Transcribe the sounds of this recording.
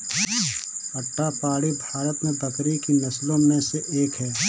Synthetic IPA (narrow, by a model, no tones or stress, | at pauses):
ɐʈːapaːɽibʱaːɾət̪mẽbɐkɾikinɐslõmẽseʔeːkɦɛː